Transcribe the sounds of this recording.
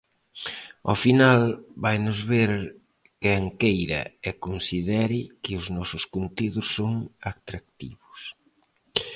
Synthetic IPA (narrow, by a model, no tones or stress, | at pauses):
ofinalbajnʊzβeɾ | kɛŋkejɾɐ̰ɛkonsiðɛɾɪkɪʊznɔsʊskunt̪iðʊsːoŋat̪ɾak̚t̪iβʊs